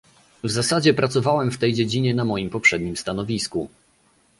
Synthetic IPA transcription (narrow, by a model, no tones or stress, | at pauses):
vzasad͡ʑɛpɾat̪sɔvawɛmft̪ɛjd͡ʑed͡ʑiɲɛnamɔjimpɔpʂɛd̪̚ɲimst̪anɔvʲisku